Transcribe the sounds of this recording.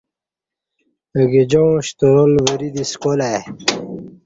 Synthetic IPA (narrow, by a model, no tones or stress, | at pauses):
əɡed͡ʑõɕt̪oɾolwəɾid̪iskola